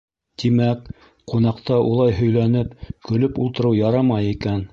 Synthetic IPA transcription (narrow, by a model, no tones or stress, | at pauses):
t̪imæk | qunɑqt̪ɑʔulˠɑjɦɵ̆jlænɘpkɵ̆lɵpulˠt̪ɤ̆ɾɤwjɑɾɑmɑjikæn